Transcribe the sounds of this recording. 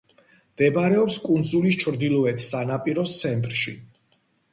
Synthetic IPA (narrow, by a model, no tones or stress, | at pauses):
md̪̥ɛbaɾɛɔpskʼund̪zulist͡ʃʰɾd̪ilɔɛt̪ʰsanapʼiɾɔst̪sʰɛnt̪ʼɾʃi